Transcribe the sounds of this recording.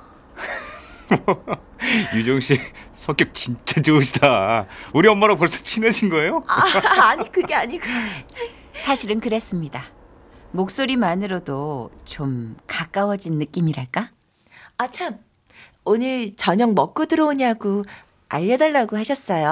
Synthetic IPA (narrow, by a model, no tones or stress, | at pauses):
ʌ | jud͡ʑʌŋɕʰisʰʌŋk͈jʌk̚t͡ɕint͡ɕ͈at͡ɕouɕʰidauɾiʌmːaɾapʌɭs͈ʌ̥t͡ɕʰinɯɕʰinɡʌe̞joaaɲikɯɡe̞aɲiɡo | sʰaɕʰiɾɯnkɯɾes͈ɯmɲida | mok̚s͈oɾimanɯɾodot͡ɕomkak͈awʌd͡ʑinːɯk͈imiɾaɭk͈a | at͡ɕʰam | onɯɭt͡ɕʌɲʌŋmʌk͈ɯdɯɾʌoɲaɡo | a̰ʎːʌdaɭːaɡohaɕʰʌs͈ʌjo